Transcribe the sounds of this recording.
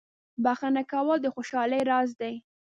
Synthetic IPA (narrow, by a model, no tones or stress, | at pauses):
baxanakawəld̪əxoʃɑləjɾɑzd̪aj